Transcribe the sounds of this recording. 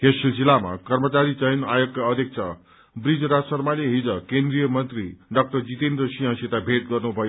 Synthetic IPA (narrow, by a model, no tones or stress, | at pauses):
kesilsilama̰kʌrmʌt͡saɾit͡sʌjnajokkaʌd̪ʱek̚t͡sʰa | brid͡zɾasʌrmaliɦid͡zʌkend̪rijʌmʌnt̪riɖʌk̚ʈʌrd͡zit̪end̪ɾʌsiɦãsit̪abʱet̪̚ɡʌrnubʱʌjo